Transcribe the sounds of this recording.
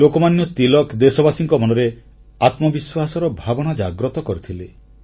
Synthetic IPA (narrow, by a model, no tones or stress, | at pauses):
okɔmanjɔt̪ilɔkd̪esɔbasiŋkɔmɔnɔɾe | at̪mɔbiswasɔɾɔbʱabɔɽ̃ad͡ʒaɡɾɔt̪ɔkɔɾit̪ʰile